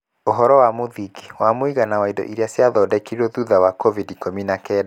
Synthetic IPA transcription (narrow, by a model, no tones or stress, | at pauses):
oɦɔɾɔwamoðiɡi̥wamoiɣanawaidɔ̰ʔiɾeasjaðɔdɛkiɾiɾɔðuðawakɔvidikominakɛːd